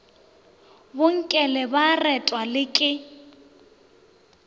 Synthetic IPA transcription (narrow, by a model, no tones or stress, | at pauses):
bʊŋ̩kʼɛlɛbarɛtʼwalɪkʼɪ